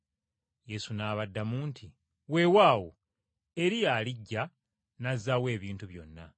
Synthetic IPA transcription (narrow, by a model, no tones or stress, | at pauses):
je̞sunaːβadːamuːntʰi | we̞waːwo | e̞ɾijaːliɟːa | nazawe̞ːβiːntuβjo̞̰nːa